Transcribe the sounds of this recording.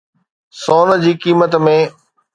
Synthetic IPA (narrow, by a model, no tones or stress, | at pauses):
soːnd͡ʑiːkiːmət̪mẽ